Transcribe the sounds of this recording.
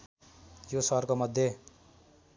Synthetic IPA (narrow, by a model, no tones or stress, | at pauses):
josʌɦrkomʌd̪ʱːje